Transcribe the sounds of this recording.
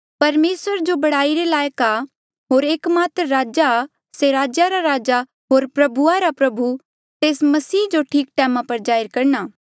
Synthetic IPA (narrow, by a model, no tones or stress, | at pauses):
pɐɾmeːsʋəɾd͡ʒobɐɽaːiɾelaːjka | ɦoːɾeːkmaːt̪ɾəɾaːd͡ʒa | seɾaːd͡ʒaɾaɾaːd͡ʒa | ɦoːɾpɾɐbʱuaɾapɾɐbʱu | t̪eːsmɐsiːd͡ʒoʈʰiːkʈɛːmãpɐɾd͡ʒaːɪɾkɐɾnaː